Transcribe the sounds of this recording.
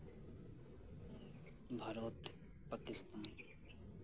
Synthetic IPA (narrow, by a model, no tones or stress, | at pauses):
bʱɐɾoːt̪ | pakɪst̪aːn